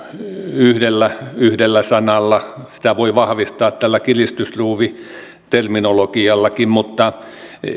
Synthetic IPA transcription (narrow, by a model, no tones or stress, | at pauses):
yhdelːæyhdelːæsɑnɑlːɑsi̥t̪æʋoiʋɑhʋist̪ɑːt̪t̪ælːækilist̪ysruːʋi | t̪erminolokiɑlːɑkimmut̪ːɑ